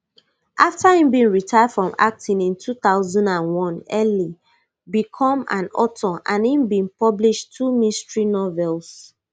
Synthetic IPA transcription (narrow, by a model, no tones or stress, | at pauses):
ʔaftahĩmbĩnɹitʰaɪad̥fɹɔ̃ma̰k̚tʰĩnĩntʰuθaʊzɔ̃ndãnwɔ̃nɛli | bikʰɔ̃mã̰nɔ̰tʰɔʔãnhĩmbĩnpɔbliʃtʰːumĩstɹinɔvɛls